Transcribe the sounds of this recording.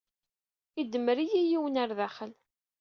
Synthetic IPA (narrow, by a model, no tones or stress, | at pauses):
id̪ːəməɾijijiwənaɾðæχəl